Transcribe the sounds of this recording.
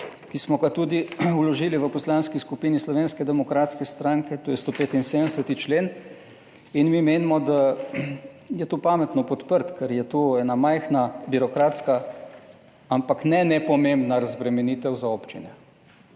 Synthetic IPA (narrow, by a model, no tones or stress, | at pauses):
kismɔɡat̪uːd̪iulɔʒiːliʋəpɔslaːnskiskupiːnislɔʋeːnskɛd̪ɛmɔkɾaːt̪skɛst̪ɾaŋkɛt̪oːjɛst̪opeːt̪insed̪ənsɛt̪it͡ʃleːn | inmimeːnimɔd̪a | jɛt̪oːpaːmɛt̪nɔpɔt̪pəɾt̪kɛɾjɛt̪oɛːnamajxnabiɾɔkɾaːt̪ska | ampaknɛnɛpɔmembnaɾazbɾɛmɛniːt̪ɛwzaoːpt͡ʃinɛ